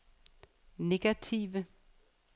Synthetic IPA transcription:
ne̝ɡ̥æt͡sʰiʋə

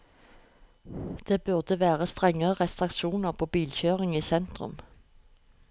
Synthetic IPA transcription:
d̪̥eːbʉʁd̪əʋæːʁəst̪ʁɛŋəʁəʁɛst̪ʁɪkʃuːnəʁpʰoːbiːlçøːʁɪŋiːsɛnt̪ʁʉ̰m

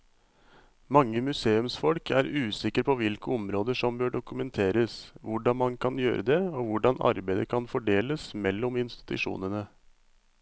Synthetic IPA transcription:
mɑŋːəmʉseːʉmsfɔlkʰæ̰ːɾʉːsɪkəɾpʰɔʋɪlkəɔmɾoːd̪əʂɔmbøːɖʊkʉmɛnt̪ʰeːɾəsʋʊɖɑnmɑnkʰɑnjø̰ːɾʔəd̪ɛoːʋʊɖɑnɑ̰ɾbæɪd̪əkʰɑnfɔɖeːləsmɛlːɔmɪnst̪ɪ̥t̪ʉʂṵːnənə

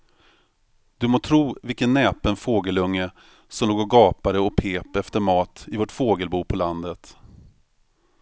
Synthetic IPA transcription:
d̪̥ɵmoːt̪ʰɾuːvɪlkənːɛːpənfoːɡəlɵŋːə | sɔmloːɡɔɡɑːpaɾəɔpʰeːpɛft̪əɾmɑːt̪ɪvoːʈfoːɡəlbuːpʰɔland̪ət̪

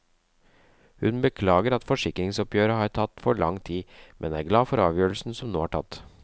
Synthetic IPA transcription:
hʉnbəkʰlɑːɡəɾɑt̪fɔʂɪkɾɪŋsɔpjøːɾəhɑɾt̪ʰɑt̪ːfɔɭɑ̰ŋt̪ʰiːmʔɛ̰næːɾɡlɑːfɔɾɑːʋjøːɾlsn̩sɔmnoːæːʈʰɑ̰t̪ː

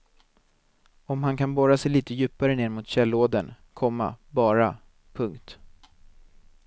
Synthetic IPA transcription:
ɔmhankanbɔɾasɛjliːt̪əjʉ̟ːpaɾəneːɾmʊt̪ɕɛlːoːd̪ən | kʰɔmːa̰bɑːɾa | pʰɵŋkt̪

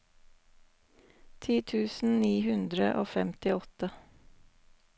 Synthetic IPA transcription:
t̪ʰiːt̪ʰʉːsn̩niːhʉnd̪ɾəʔoːfɛmt̪ɪɔt̪ə

